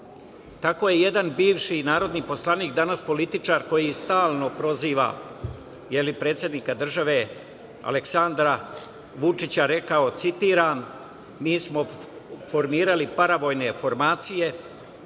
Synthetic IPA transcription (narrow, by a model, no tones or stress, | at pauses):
t̪ako̞jeje̞d̪anbiːʋʃinaːɾo̞d̪nipo̞slˠaniːkd̪anaspo̞lit̪it͡ʂaːɾko̞jist̪aːlˠno̞pɾo̞ziːʋa̰ | jelipɾe̞ːt̪sje̞d̪nikad̪r̩ʒaʋe̞ | a̰leksand̪ɾa | ʋut͡ʂit͡ɕaɾe̞kao̞t̪sit̪iːɾaːmː | iːsmo̞fo̞ɾmiːɾalipaɾaʋo̞ːjne̞fo̞ɾmaːt̪sije̞